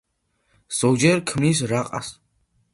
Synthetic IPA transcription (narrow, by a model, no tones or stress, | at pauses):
z̥ɔd͡ʒɛɾkʰmnis̬ɾaqʼa̰s